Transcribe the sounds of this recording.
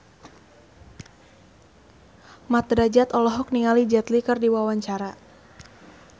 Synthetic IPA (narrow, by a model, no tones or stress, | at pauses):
mat̪ɾad͡ʒat̪ɔlɔɦɔk̚niŋalid͡ʒat̪likɨrdiwawaɲt͡ʃaɾa